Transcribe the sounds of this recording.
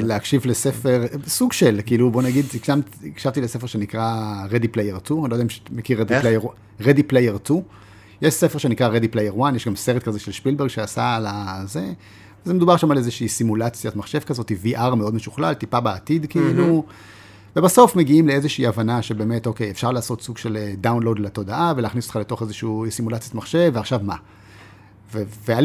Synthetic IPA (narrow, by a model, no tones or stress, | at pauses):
leakʃivlesefeʁsuɡʃelkiilubo̞naɡid̪ikʃamt̪ikʃavt̪ilese̞feʁʃe̞nikʁaʁed̪iplejeʁtunlojdaimʃmekiʁed̪ilejeʁ | ʁed̪iplejeʁtu | jeʃsefe̞ʁʃe̞nikʁaʁed̪iplejeʁwanjeʃɡamseʁet̪̚kazeʃelʃpilbeʁɡʃeasalaze | vezemedubaʁʃamalezeʃiːsimulat͡sjatmaχʃe̞vkazo̞t̪iviʔaʁmeo̞dmeʃuχlalt̪ipabeːt̪id̪kiilu | vebaso̞fme̞ɡiimleezeʃiːavanaʃebe̞ːme̞tokejefʃaʁlaːso̞t̪suɡʃe̞ld̪awnlod̪leto̞daʔavelaːχnisot̪χaleto̞χezeʃuusimulat͡sjat̪maχʃe̞vveaχʃavma | veveal